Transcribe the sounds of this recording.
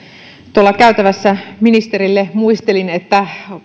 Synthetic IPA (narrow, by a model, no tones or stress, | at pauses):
t̪uolːɑkæyt̪æʋæsːæminist̪e̞ɾilːemuist̪elinet̪ːæ